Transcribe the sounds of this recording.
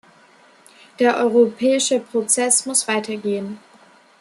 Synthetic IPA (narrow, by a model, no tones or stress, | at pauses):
d̥eːɐʔɔʏʁ̞opʰɛːɪʃəpʁ̥ot͡sɛsmʊsv̥aɪtʰɐɡeːən